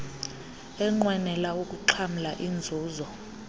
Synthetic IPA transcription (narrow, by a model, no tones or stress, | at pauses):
ɛŋ͡ǃwɛnɛlaukʼuǃʰamulaʔind͡zʱuːzɔ